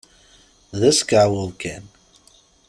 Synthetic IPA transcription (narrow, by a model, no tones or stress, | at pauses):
ðɪskawəlˠkʰɛ̃n